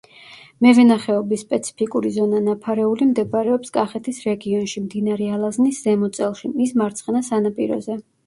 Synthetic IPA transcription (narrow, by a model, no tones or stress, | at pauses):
mɛvɛnaχɛɔbisːpʼɛt̪sʰi̥pʰikʼuɾizɔnanapʰaɾɛulimd̪ɛbaɾɛɔpskʼaχɛt̪ʰisɾɛɡiɔnʃimd̪inaɾɛalˠaznisz̥ɛmɔt̪sʼɛlˠʃimismaɾt̪sʰχɛnasanapʼiɾɔ̰zɛ